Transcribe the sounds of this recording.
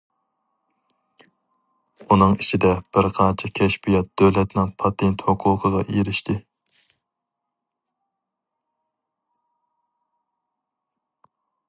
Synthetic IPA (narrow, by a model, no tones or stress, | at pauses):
unɨŋit͡ʃʰid̪ɛb̥ɪɾqʰɑnt͡ʃʰɪkʲʰɛʃpijɛt̪̚d̪̥øwlɛt̪nɪŋpʰɑt̪ʰent̪hoqʰʊlˠqʰəʁɑʔieɾɪʃt̪ʰɪ